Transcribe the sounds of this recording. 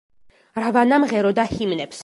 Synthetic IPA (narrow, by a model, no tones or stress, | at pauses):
ɾvanamʁɛɾɔd̪ahimnɛps